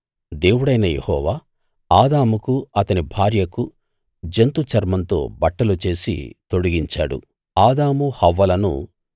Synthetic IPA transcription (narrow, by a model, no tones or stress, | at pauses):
d̪e̞ːwuɽɐjnɐjḛhɔːʋaː | aːd̪aːmukuɐt̪ɐnibʱaːɾjɐku | d͡ʒent̪ut͡ʃɐɾmɐnt̪o̞̰ːbɐʈːɐlut͡ʃe̞ːsḭt̪o̞ɽuɡiɲt͡ʃa̰ːɽṵ | aːd̪aːmuhɐʋːɐlɐnṵ